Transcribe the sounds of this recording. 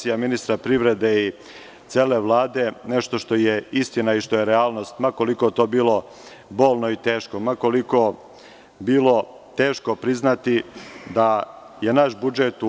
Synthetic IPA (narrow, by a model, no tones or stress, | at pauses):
sijaminist̪ɾapɾiʋɾe̞d̪ei | t̪seːle̞ʋlˠaːd̪e̞ne̞ʃt̪o̞ʃt̪o̞jeist̪inaiʃt̪ojeɾeaːlˠno̞st̪mako̞likot̪o̞ːbiːlo̞ | bo̞ːlˠno̞it̪eːʃkomako̞liko̞ | biːlo̞ | t̪e̞ːʃko̞pɾiznat̪id̪a | je̞naʃbud͡ʒet̪u